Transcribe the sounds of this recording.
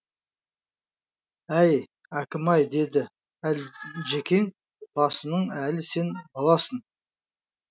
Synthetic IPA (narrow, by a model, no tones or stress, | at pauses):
æj | ækʲɪmɑjd̪e̞d̪ɪ | ælʒe̞kʲe̞ŋ | b̥ɑsənəɴælɪse̞nbolˠɑsən